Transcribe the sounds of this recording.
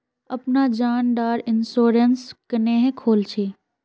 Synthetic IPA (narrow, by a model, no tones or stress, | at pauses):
ɐpnad͡ʑaːnɖaːɾɪnsoːɾenskɐneɦkʰoːlt͡ʃʰeː